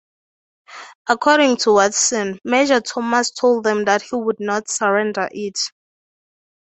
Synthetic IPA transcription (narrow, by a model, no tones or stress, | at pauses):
akʰɔɾĩŋtʰuwatsɛ̃nmed͡ʒatʰɔmastʰolˠd̚ðɛ̃mðathiwudnɔtsaɹɛ̃ndə̰ʔit